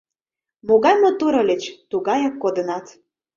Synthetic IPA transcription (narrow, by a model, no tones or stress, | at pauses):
moɣɑjmot̪uɾɤ̆lʲet͡ɕt̪uɣɑjɑkːod̪ə̆nɑt̪